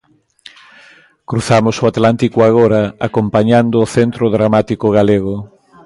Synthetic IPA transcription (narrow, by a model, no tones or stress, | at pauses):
kɾuθamosoat̪lant̪ikoaɣoɾaakompaɲand̪oːθent̪ɾoðɾamat̪ikoɣaleɣ̞o